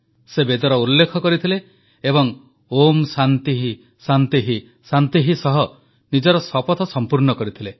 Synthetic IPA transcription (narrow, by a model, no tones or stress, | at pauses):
sebed̪ɔɾɔulːekʰɔkɔɾit̪ʰileː | bɔŋ | omsant̪iɦi | sant̪iɦi | sant̪iɦisɔɦɔ | nid͡ʒɔɾɔsɔpɔt̪ʰɔsɔmpuɾnɔkɔɾit̪ʰile